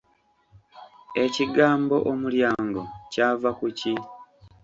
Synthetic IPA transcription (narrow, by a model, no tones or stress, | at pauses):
e̞ciɡaːmbo̞ʔomuljaːŋɡo̞caːvakuci